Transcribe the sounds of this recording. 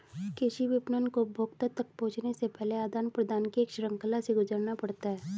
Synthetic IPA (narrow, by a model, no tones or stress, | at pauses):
keʃiʋɪpnənkobʱoːkt̪ət̪ɐk̚põːt͡ʃnesepɛɦleaːd̪aːnpɾəd̪aːnkiːkʃɾə̃ŋkəlaseɡʊzəɾnapɐɽt̪aɦɛː